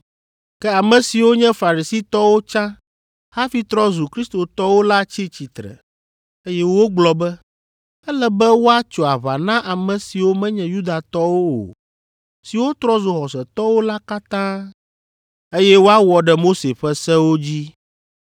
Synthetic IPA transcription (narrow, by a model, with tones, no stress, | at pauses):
kɛ˦a˨mɛ̃˨si˨wo˦ɲɛ̃˦fa˨ɾi˨si˦t̪ɔ˦wo˦t͡ʃã˦ | ha˦fi˦t̪ɾɔ˦zu˨kɾi˦st̪o˨t̪ɔ˦wo˦la˦t͡ɕi˦t͡ɕi˨t̪ɾɛ̰˨ | e˦jɛ˦wo˦ɡ͡blɔ˨bɛ˦ | ɛ˦lɛ˦bɛ˦wo˦a˦t͡ʃo˨a˨βa̰˨nã˦ʔa˨mɛ̃˨si˨wo˦mɛ̃˦ɲɛ̃˨ju˦d̪a˨t̪ɔ˦wo˦o̰˨ | si˨wo˦t̪ɾɔ˦zo˨xɔ˨sɛ˨t̪ɔ˦wo˦la˦ka˦t̪ã˦ | e˦jɛ˦wo˦a˦wɔ˨ɖɛ˨mo˦se˨ɸɛ˦sɛ˦wo˦d͡ʑi˦